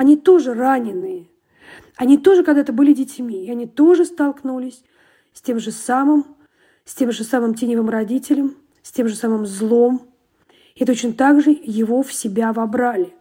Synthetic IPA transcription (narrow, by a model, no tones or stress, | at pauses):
ɐnʲit̪o̞ʐɨranʲɪnːɨjə | ɐnʲit̪o̞ʐɨkɐɡd̪at̪əbɨlʲɪdʲɪtʲmʲiɪɐnʲit̪o̞ʐɨst̪ɐlˠknulʲɪsʲ | sʲtʲe̞mʐɨsamɨm | sʲtʲe̞mʐɨsamɨmtʲenʲɪvɨmrɐdʲitʲɪlʲəm | sʲtʲe̞mʐɨsamɨmzlˠo̞m | ɪt̪ot͡ɕnət̪aɡʐɨjɪvo̞fsʲɪbʲavɐbɾalʲɪ